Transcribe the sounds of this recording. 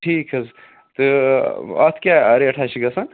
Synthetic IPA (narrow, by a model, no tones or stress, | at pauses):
ʈʰiːkʰɐz | t̪ɨ | ɐ̰t̪ʰkʲaɐɾeɐʈʰaːt͡ʃʰiɡɐsan